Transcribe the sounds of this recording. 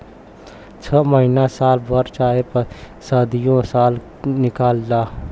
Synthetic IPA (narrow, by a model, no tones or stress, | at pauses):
t͡ʃʰəməɦinasaːlbəɾt͡ʃaːepə | səd̪ijõsaːl | nɪkaːlda